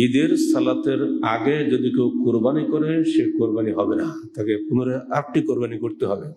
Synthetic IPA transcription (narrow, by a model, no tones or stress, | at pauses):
id̪eɾsalat̪eɾaɡed͡ʒod̪ikewkuɾbanikɔɾeʃekuɾbaniɦɔbena | t̪akekunoɾeaɾk̚ʈikoɾbanikoɾt̪eɦɔbe